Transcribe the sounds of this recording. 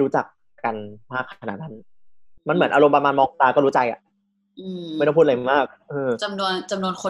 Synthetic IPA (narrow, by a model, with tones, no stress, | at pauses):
ɾuː˦˥t͡ɕa˨˩k̚ | a˧nmaː˥˩kʰːaa˧na̰˨˩t̪̚na˦˥n | ma˧nmɯ˩˦nʔaː˧ɾo˧mpɾa˧maː˧nmɔː˧ŋt̪aː˧kɔː˥˩ɾuː˦˥t͡ɕa˧jʔa̰˨˩ʔ | ʔɯː˧˥˦pʰu˥˩ʔa˧˩maː˥˩k̚ʔɤː˧t͡ɕa˧mnu˧ənt͡ɕa˧mnu˧ənkʰo˧